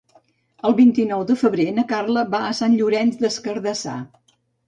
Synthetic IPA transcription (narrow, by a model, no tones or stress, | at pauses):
əlˠβint̪inɔwd̪əfəβɾenəkarləβaːsanʎuɾɛnzd̪əskəɾðəsa̰